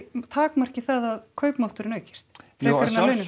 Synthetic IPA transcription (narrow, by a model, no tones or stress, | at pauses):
t̪ʰaːkmar̥cɪθaðaðkʰœːɥpmaw̥t̪ʏɾɪnœːɥcɪ̥st̪fɛkaɾɪnlœɥnɪ